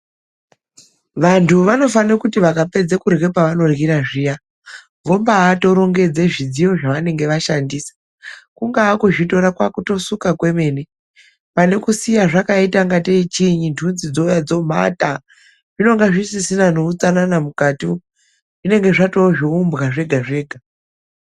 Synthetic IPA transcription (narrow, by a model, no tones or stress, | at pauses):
ʋantʰuʋano̞fanekutiʋakape̞d͡zekurɡe̞paʋano̞rɡiɾaʐija | ʋo̞mbaːto̞ɾo̞ŋɡe̞d͡zeʐid͡zijo̞ʐaʋane̞ŋɡe̞ʋaʃandiːsḁ | kuŋɡaːkuʐito̞ɾakwakuto̞sukakwe̞me̞ːne | pane̞kusijaʐakaitaŋɡateit͡ʃiɲintʰunzid͡zojad͡zo̞m̤a̰ta | ʐ̥ino̞ŋɡaʐisisinanout͡sananamukaːti | ʐine̞ŋɡe̞ʐato̞ʐiumbɣaʐe̞ɡʱaʐe̞ːɡʱa